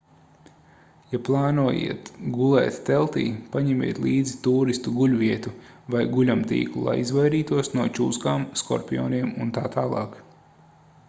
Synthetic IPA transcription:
japlˠaːnuɔjḭɛt̪ɡulˠɛ̰ːt̪ːɛlˠt̪ḭːpaɲɛmʲḭɛt̪liːd̪zit̪uːɾist̪uɡulʲvʲiɛt̪uvajɡulʲamt̪ḭːklˠulˠa̰jizvajɾiːt̪uɔsnuɔt͡ʃuːskaːmskɔ̰ɾpʲijɔ̰ːniɛmunt̪aːt̪aːlˠɑ̰ːk

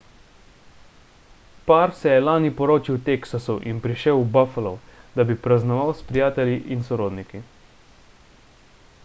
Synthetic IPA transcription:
paɾsɛjɛlaːnipɔɾoːt͡ʃiwt̪eksasuʔinpɾiʃɛwbafalɔwd̪abipɾaznɔʋawspɾijaːt̪ɛljiʔinsɔɾoːd̪niki

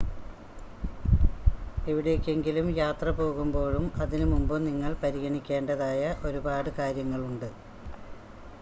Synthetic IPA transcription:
eʋiɽekʲːe̞ŋɡilumjaːt̪rɐpo̞ːɣumbo̞ːɻumɐðinɨmumbɨniŋːɐɭpɐɾiɣɐɳikʲːe̞ːɳɖɐðaːjɐʔo̞ɾubaːɽɨkaːɾjɐŋːɐɭuɳɖɨ

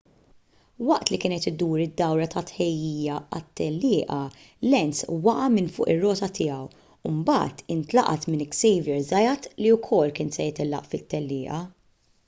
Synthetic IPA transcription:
wɐʔt̪likɪːnɛt̪ɪd̪uːɾɪd̪ːɐwɾɐt̪ɐt̪ħɛjːiːjɐɐt̪ːɛlːɪːʔɐ | lɛnswɐʔɐmɪnfʊ̰ːʔɪrːɔːt̪ɐt̪ɪjɐw | ʊmbɐ̰ːt̪ɪnt̪lɐʔɐ̰t̪mɪnɪksɛjvjɛɾzɐjɐt̪liwkʰɔlːkɪːnsɛjɪt̪ɪlːɐ̰ʔfɪt̪ːɛlːɪːʔɐ

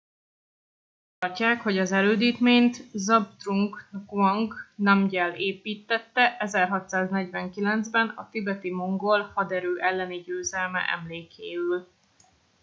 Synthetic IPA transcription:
t̪ɒrcaːkho̞ɟɒzɛløːd̪iːt̪meːɲt̪zɒbt̪ruŋɡkɒŋɡnɒmɟɛleːpiːt̪ːɛt̪ːɛʔɛzɛrɦɒt̪saːznɛɟvɛŋkilɛnzbɛnɒt̪ibɛt̪imo̞ŋɡo̞lhɒd̪ɛɾøːʔɛlːɛniɟøːzɛlmɛ̰ʔɛ̰mleːkʰeːyl

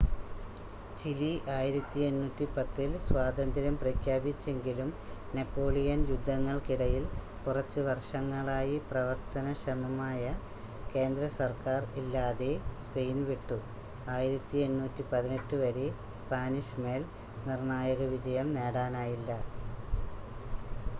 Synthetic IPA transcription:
t͡ɕiliʔaːjiɾɐt̪ːie̞nːuːtːipɐt̪ːilswaːd̪ɐnd̪ɐɾɐmprɐkʰjaːbit͡ɕːe̞ŋɡilumnepːo̞ːɭijɐnjud̪ʱːɐŋːɐɭkiɽɐjil | kurɐt͡ɕːɨʋɐrʂɐŋːɐɭaːjiprɐʋɐrt̪ɐnɐɕɾɐmɐmaːjɐ | ke̞ːnd̪ɾɐsɐrkaːrilːaːðe̞spe̞jnʋiʈːu | aːjiɾɐt̪ːie̞nːuːtːipɐðine̞ʈːɨʋɐɾe | spaːniʂme̞ːl | nirɳaːjɐɣɐʋid͡ʑɐjɐmneːɽaːnaːjilːɐ

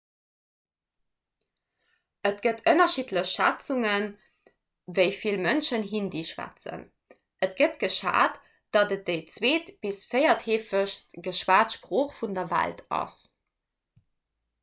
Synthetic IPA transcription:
ətɡ̥ətʰənɐʃitləɕʃæt͡suŋən | vəɪfilmənʃənɦindeːʃwæ̰t͡sə̰n | ətɡ̥ətɡ̥əʃa̰ːt | d̥ɑdət̚d̥əɪt͡sweːtb̥isfɜɪɐtheːfəɕstɡ̥əʃwaːtʃpʁoːχfundɐvæ̰ltʰɑ̰s

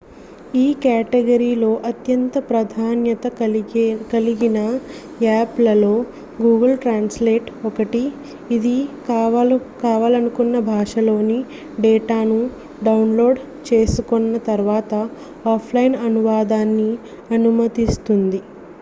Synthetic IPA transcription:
iːkaːʈeɡɐɾiːlo̞ːʔɐt̪jɐnt̪ɐpɾɐd̪ʱaːnjɐt̪ɐ | kɐliɡinɐ | aːplɐlo̞ː | ɡuːɡɐlʈɾaːnsleːʈɔkɐʈiː | d̪i | kaːʋaːlɐnukunːɐbʱaːʂɐlo̞ːni | ɖɛːʈaːnu | ɖɐwnlo̞ːɖ | t͡ʃe̞ːsukonːɐt̪ɐɾʋaːt̪ɐ | aːpʰlɐjinɐnuʋaːd̪aːnːi | ɐnumɐt̪ist̪und̪i

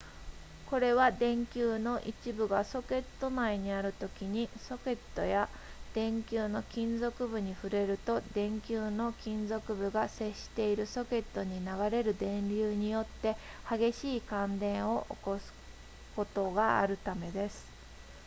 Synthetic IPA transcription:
ko̞ɾe̞βad̪ẽ̞ŋkʲɨːno̞ʔit͡ɕibɯ̟ɡaso̞ke̞t̪ːo̞maeɲ̟iaɾɯ̟t̪o̞kʲiɲ̟iso̞ke̞t̪ːo̞̰ja | d̪̥ẽ̞ŋkʲɨːno̞kʲĩnzo̞kɯ̟bɯ̟ɲ̟iɸɯ̟ɾe̞ɾɯ̟t̪o̞d̪ẽ̞ŋkʲɨːno̞kʲĩnd͡zo̞kɯ̟bɯ̟ɡase̞ɕːi̥t̪e̞iɾɯ̟so̞ke̞t̪ːo̞ɲ̟inaɡaɾe̞ɾɯ̟d̪ẽ̞nɾʲɨːɲ̟ijo̞t̪ːe̞ | haɡe̞ɕiːkãnd̪ẽ̞ɰ̃o̞ʔo̰ko̞sɨ̥ | ko̞t̪o̞ɡaa̰ɾɯ̟t̪ame̞d̪e̞sɨ̥

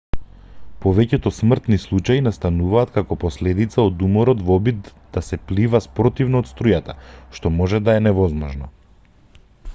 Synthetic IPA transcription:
pɔvɛcɛt̪ɔsmr̩t̪nislˠut͡ʃainast̪anuvaːt̪kakɔpɔslɛd̪it̪saod̪umɔɾɔt̪vɔbid̪d̪asɛplivaspɾɔt̪ivnɔːt̪st̪ɾujat̪aʃt̪ɔmɔʒɛd̪aɛnɛvɔzmɔʒnɔ

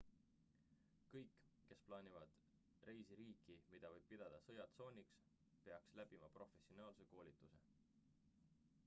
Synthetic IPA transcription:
kɤjkːˑkːe̞splɑːnʲivɑd̪̥ | re̞jsiɾiːkˑimid̪̥ɑvɤjb̥̚pid̪̥ɑd̪̥ɑsɤjɑt̪so̞ːnʲiks | pe̞ɑkslæb̥imɑpro̞fe̞sio̞nɑːlse̞ko̞ːlʲit̪ːˑuse̞̰

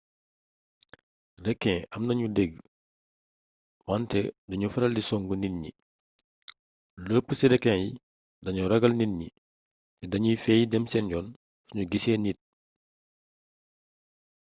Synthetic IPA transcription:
rɛkːɛ̃ːɐmnɐɲudɛɡ | mantɛdɐɲufɐɾɐldisɔŋɡuninɲḭ | ləːpːəsiɾɛkːɛ̃ji | dɐɲuɾɐɡɐlninɲḭ | tɛdɐɲujfɛːjidɛmsɛnɟɔːn | ssuɲuɡisɛːnit̚

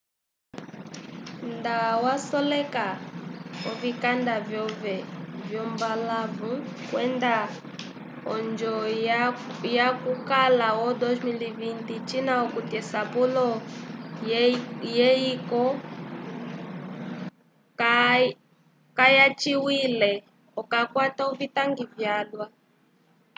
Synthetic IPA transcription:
ndawasɔlɛka | ɔvikandavjɔvɛvjɔmbalavukwɛnda | ɔnd͡ʒɔ | jakukalawɔdɔzmilivintit͡ʃinaɔkutɛsapulɔ | jɛikɔ | kajat͡ʃiwilɛ | ɔkakwataɔvitaŋɡivjalwa

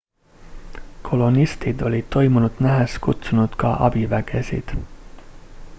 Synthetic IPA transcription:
kʰo̞lo̞nist̪id̪o̞lʲid̪̥̚t̪ːo̞jmunud̪̥næɦeskut̪sunud̪̥kɑʔɑ̰b̥ivæɡ̥e̞sḭd̪̥

